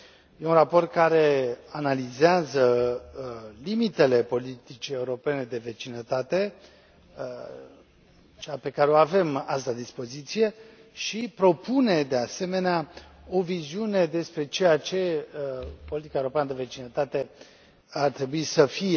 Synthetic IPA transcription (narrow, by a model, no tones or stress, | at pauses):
je̞unrapo̞rt̪̚kaɾe̞analizeazə | limit̪e̞le̞po̞lit̪it͡ʃie̞uɾo̞pe̞ne̞d̪e̞ve̞t͡ʃinət̪at̪e̞ | t͡ʃeape̞kaɾeo̞ave̞mast̪ad̪ispo̞zit̪sije̞ʃipɾo̞pune̞d̪e̞ase̞me̞neao̞viziune̞d̪e̞spɾe̞t͡ʃe̞jat͡ʃe̞ | po̞lit̪ikaewuɾopeanəd̪eve̞t͡ʃinət̪at̪e̞ | art̪ɾe̞buisəfie